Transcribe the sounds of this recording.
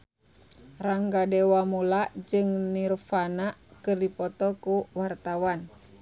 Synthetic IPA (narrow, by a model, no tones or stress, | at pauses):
raŋɡadɛwamulaʔd͡ʒɨŋnirfanakɨrdipɔt̪ɔkuwart̪awan